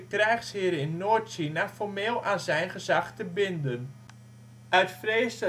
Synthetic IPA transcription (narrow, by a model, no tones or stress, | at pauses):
əkrɛjxshiəɾəɪnːoːtsinafɔrmeːlˠaːnzɛjnχəzaxtəbɪndən | ʔœɥtfreːsə